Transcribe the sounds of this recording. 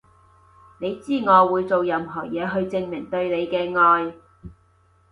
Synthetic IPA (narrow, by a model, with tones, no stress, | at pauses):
ne˨˧jt͡siː˥ŋɔː˨˧wuː˨˧jt͡so˨wjɐ˨˧mɦɔː˨˩jɛː˨˧ɦɵ˧ɥt͡sɪ˧ŋmɪ˨˩ŋt̪ɵ˧ɥne˨˧jkɛː˧ŋɔː˧j